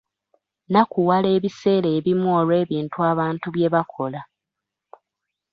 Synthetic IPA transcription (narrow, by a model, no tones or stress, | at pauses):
nakuwale̞ːβise̞ːɾe̞ːβimuolwe̞ːβiːntuaːβaːntuβje̞βakʰo̞la